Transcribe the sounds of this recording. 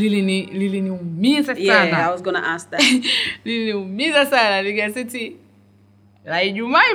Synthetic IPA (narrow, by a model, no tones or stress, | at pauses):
lilinililiniumizasanaawɔzɡɔna̰ʔastalilniumizasanaliɡasiti | laiʄumai